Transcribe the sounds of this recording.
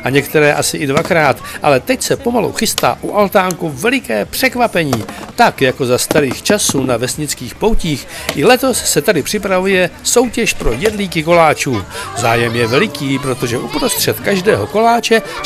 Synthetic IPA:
ʔaɲɛkt̪ɛɾɛːʔasɪʔɪdvakɾaːt̪ʔalɛt̪ɛcsɛpo̞malṵxɪst̪a̰ːʔuʔalt̪aːŋkuvɛlɪkɛːpr̝̥ɛkvapɛɲiːt̪akjako̞zast̪aɾiːxt͡ʃasunavɛsɲɪt͡skiːxpowciːxʔɪlɛt̪o̞ssɛt̪adɪpr̥ɪpɾavujɛso̞wcɛʃpɾo̞jɛdliːkɪko̞laːt͡ʃuːzaːjɛmjɛvɛlɪkiːpɾo̞t̪o̞ʒɛʔupɾo̞st̪r̥ɛt̪kaʒdɛːɦo̞ko̞laːt͡ʃɛ

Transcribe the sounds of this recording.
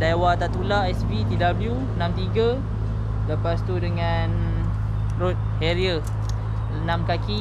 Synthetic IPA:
dawat̪aʔt̪ulaɛsbit̪idabəlju | ənãmt̪iɡa | ləpast̪udəŋã | n | rot̪̚heɾiə | ənãmkaki

